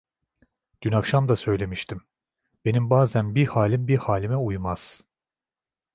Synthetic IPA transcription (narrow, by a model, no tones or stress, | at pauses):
ɟ̥ynakʃamd̪asø̞jlʲe̞miʃt̪ʰim | be̞nimbaːzænbihaːlʲimbihaːlʲimɛujmaz̥